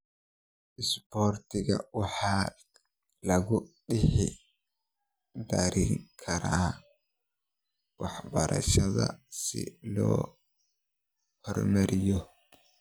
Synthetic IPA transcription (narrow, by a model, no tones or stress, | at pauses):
ʔɪsbɔːrt̪ʰɪɣɐ̰wɑħɑː | lɐɣʊɖɪħɪ | d̪ɐɾiːŋkʰɐɾa | wɑħbɐɾʔɐ̰ʃɐðɐ̰sɪ̰lɔ̰ː | hɔrmɐɾʔɪjɔ